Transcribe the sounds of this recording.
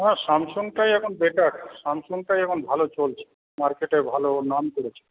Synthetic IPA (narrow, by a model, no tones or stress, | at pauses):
ɦɛ̃ʃamsoŋʈajɛkʰonbeʈaksamsoŋʈajɛkʰonbʱalot͡ɕolt͡ɕʰe̥ | maɾkeʈeɾbʱalonamkoɾet͡ɕʰe̥